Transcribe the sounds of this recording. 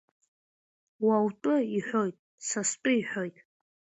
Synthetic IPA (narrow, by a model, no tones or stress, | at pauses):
wawtʼʊiħʷᶣo̞jtʼ | sastʷʼʊiħʷᶣo̞jtʼ